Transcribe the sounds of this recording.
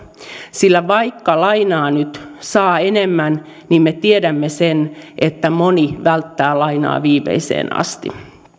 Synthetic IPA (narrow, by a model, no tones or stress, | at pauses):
silːæʋɑikːɑlɑinɑːnyt̪sɑːenemːæn | nimmet̪iedæmːesenʔet̪ːæmoniʋælt̪ːæːlɑinɑ̰ːʋiːmḛisḛːnɑ̰st̪ḭ